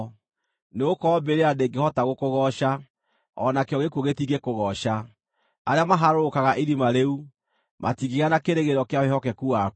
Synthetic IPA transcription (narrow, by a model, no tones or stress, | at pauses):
neokɔːbeɾeadeŋɡehɔtaɣokoɣɔʃa | ɔ̰nakeɔɣekuoɣetiɡekoɣɔʃa | aɾeamaɦaɾokaɣaʔiɾimaɾeu | ma̰tiɣiɣanakeɾeɣeɾɔkeawehɔkɛkua